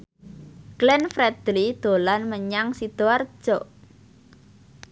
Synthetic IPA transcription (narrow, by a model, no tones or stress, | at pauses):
klɛnfɾɛd̪̥lid̪̥o̤lanməɲaŋsid̪̥oar̥ʒ̥ɔʔ